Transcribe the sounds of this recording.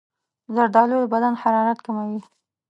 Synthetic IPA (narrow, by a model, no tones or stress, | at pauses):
zaɾd̪ɑlod̪əbad̪anhaɾɑɾat̪kamawi